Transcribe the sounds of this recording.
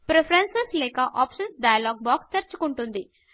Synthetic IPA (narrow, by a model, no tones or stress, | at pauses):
pɾepʰɐɾɐnseslɛːkɐʔaːpʂɐnsɖɐjɐloːɡ̚baːkst̪ɐɾt͡ʃu̥kuɳʈund̪i